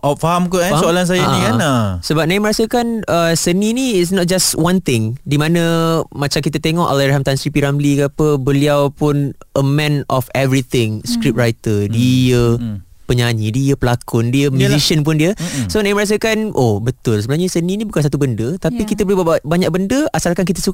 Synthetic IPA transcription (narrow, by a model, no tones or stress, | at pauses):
ʔɔfaɦamkuasoalans̬ajaianasəbap̚naɪʔməɾasəkanəsənĩniːtsnɔt̪̚d͡ʒaswãnt̪ɪ̃ŋdimãnə̃mat͡ʃamkit̪ət̪eŋɔʔalaɾaɦamt̪ansɾipiɾamlikəapəbəliawpʊnʔəmɛ̃nɔfɛvɾit̪ɪ̃ŋskɾip̚rajt̪ədiə | pəɲaɲidiəpəlakʊndiəmjuziʃiənp̬ʊndiəsonãɪ̃məɾas̬əkanʔobət̪ʊlsəbənaɲəsənĩnĩbukans̬at̪̬ubəndət̪apikit̪əbolibaaʔ̚baɲak̚bəndəasalkank̬it̪əsuk